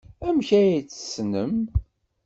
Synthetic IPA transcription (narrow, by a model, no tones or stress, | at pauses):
æmçæjit͡sːə̥snəm